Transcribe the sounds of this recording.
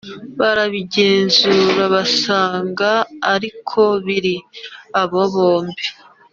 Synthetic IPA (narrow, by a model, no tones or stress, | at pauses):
βaɾaβiɟe̞ːnzuːɾaβasaːŋɡaːɾikʰo̞βiɾiaβo̞βoːmbi